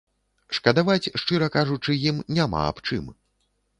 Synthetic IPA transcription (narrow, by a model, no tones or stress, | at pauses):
ʂkɐd̪avat͡sʲʂt͡ʂɨɾɐkaʐut͡ʂɨjimnʲama̰a̰pt͡ʂɨ̰m